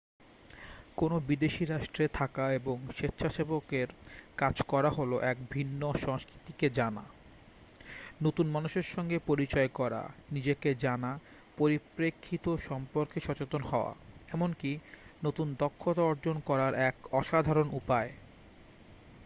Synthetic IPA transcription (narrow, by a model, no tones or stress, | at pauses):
konobid̪eʃiɾaʃʈɾet̪ʰakaeboŋʃet̪ːʃʰaʃebokeɾkad͡ʑkɔɾaɦoloʔɛkbʱinːoʃɔŋskɾit̪iked͡ʑana̰ | not̪unmanuʃeɾʃɔŋɡepoɾit͡ɕɔekɔɾa̰nid͡ʑeked͡ʑana | poɾipɾekʰːit̪oʃɔmpoɾkeʃɔt͡ɕet̪onhɔoa̰ɛmonkinot̪und̪ɔkʰːot̪aɔɾd͡ʑonkɔɾaɾɛkɔʃad̪ʱaɾonʔupae